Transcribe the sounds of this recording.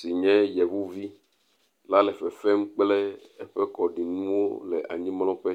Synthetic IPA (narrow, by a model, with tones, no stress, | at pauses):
si˨ɲɛ̃˦jɛ˨βu˦vi˦ | la˦lɛ˨fɛ˨fɛ˦m˦k͡plɛ˦ | ɛ˦ɸɛ˦kɔ˨ɖi˨nũ˦wo˦lɛ˨ʔa̰˨ɲĩ˦mlɔ̃˦ɸɛ˦